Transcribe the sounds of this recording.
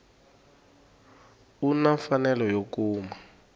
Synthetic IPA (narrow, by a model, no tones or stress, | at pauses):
unafanɛlɔjokuːma